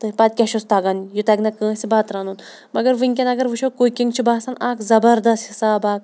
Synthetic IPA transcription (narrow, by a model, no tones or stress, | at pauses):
t̪ɨɦipɐt̪̚ʲkʲɐʃust̪aːɡanjut̪ɐɡnɐkə̃ːsʲibaːt̪ɾaːnun | mɐɡɐɾʋɨŋʲkʲɐnɐɡɐɾʋɨʃʰokokʲiŋɡt͡ʃʰibaːsanaːkzɐbɐɾd̪ɐst̪hisaːbaːk̚